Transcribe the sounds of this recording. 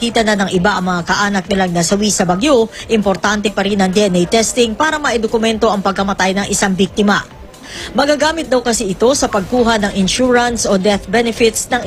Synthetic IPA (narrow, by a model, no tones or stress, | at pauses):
kiːt̪ɐnɐnɐŋʔɪbaʔɐŋmɐŋakɐʔaːnɐk̚nɪlaŋnɐsɐwisɐbɐɡjoʔɪmpoɾt̪ant̪ɛpɐɾinɐŋd̪iʔɛnʔɛjt̪ɛst̪ɪŋpaːɾɐmɐʔɛd̪okʊmɛnt̪o̞ʔɐŋpɐɡ̚kɐmɐt̪ajnɐŋʔɪsaŋbik̚t̪ɪmɐ | mɐɡaɡaːmɪt̪̚d̪ɐwkɐsiɪt̪o̞sɐpɐɡ̚kuːɦɐnɐŋɪnʃuɹɐnsʔod̪ɛθbɛnɛfɪt̪snɐŋ